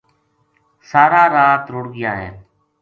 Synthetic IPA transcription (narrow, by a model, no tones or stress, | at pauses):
saːɾaːɾaːt̪ɾʊɽɡɪjaːɦɛ̰ː